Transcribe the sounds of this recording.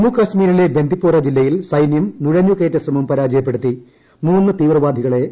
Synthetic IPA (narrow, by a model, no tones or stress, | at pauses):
mukːɐsmiːɾilebe̞nd̪ʱipːoːrɐd͡ʑilːɐjilsɐjnjɐmnuɻɐɲːjuke̞ːʈːɐsrɐmɐmpɐɾaːd͡ʑɐjɐpːe̞ɽut̪ːi | muːnːɨt̪iːʋrɐʋaːd̪ʱiɣɐɭe̞